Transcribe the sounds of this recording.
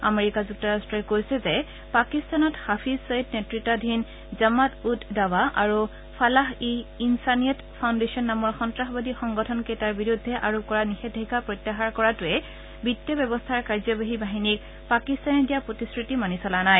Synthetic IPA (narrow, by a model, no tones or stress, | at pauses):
a̰meɹikazuk̚tɔɹastɹɔkojsɛzɛ | pakist̪anɔthapʰizsojt̚netɹitːɔdʱin | zamatutdawaʔaɹu | pʰalaɦiinsaniɔtpʰawndesiɔnːamɔɹxɔntɹaxɔbadixɔŋɡɔtʰɔnketaɹbiɹudʱːɛʔaɹukɔɹanixɛdʱekapɹɔtːaɦaɹkɔɹatʊɛ | bitːɛbjɛbɔstʰaɹkaɹzɔbaɦibaɦinik̚ | pakist̪anɛdijapɹotiskɹitimanisɔlanaj